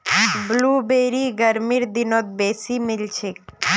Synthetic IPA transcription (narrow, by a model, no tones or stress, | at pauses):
bluːbeːɾiɡəɾmiɾd̪inot̪̚beːsimɪlt͡ʃʰek